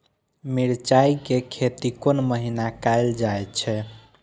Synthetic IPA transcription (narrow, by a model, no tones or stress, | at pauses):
miɾt͡ʃaikekʰet̪ikonməɦinakajld͡ʒaet͡ʃʰɛ